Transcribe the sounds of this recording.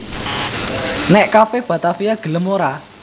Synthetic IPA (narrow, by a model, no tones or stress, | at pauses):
nɛʔkafeb̥ä̤t̪afiaɡ̥ə̤ləmoɾa